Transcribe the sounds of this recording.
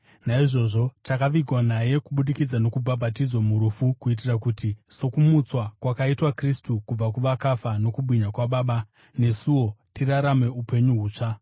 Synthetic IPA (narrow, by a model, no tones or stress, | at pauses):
naiʐo̞ʐo̞takaʋiɡʱwanaje̞kuɓuɗikid͡zano̞kubʱabʱatid͡zwamuɾufukuit̬irakutiso̞kumut͡swakwakaitwakristukub͡vakuʋakafano̞kubwiɲakwaɓaːɓa | ne̞suwo̞tiraɾame̞upe̞ɲuɦuːt͡ʂa